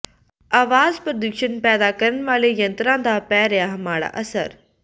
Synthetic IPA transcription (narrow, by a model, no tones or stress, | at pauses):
aːʋaːzpɾəd̪ukʃənpɛːd̪akɐɾən̆ʋaːlejɐ̃nt̪ɾãːd̪aːpɛːɾɪjaɦɐmaːɽa̰ʔɐsə̰ɾ